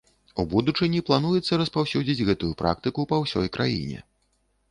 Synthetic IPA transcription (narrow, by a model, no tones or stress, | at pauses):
ubud̪ut͡ʂɨnʲiplˠan̪ujɛt̪sːɐɾɐspawsʲud͡zʲid͡zʲɣɛt̪ujupɾa̰kt̪ɨkupɐwsʲɔ̰jkɾʔa̰jḭnʲɛ̰